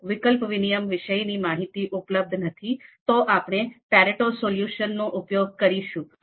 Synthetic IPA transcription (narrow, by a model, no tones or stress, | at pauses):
ʋɪkəlpʋinijəmʋɪʃəjnimaɦit̪iʔʊpləb̚d̪ʱnət̪ʰit̪oʔapɳ̃epɛɾeʈosoljuʃənːõʔʊpjoɡ̚kəɾiʃũ